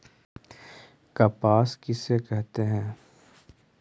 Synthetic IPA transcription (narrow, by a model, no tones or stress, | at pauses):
kɐpaːskɪsekɛɦt̪eɦɛ̃ː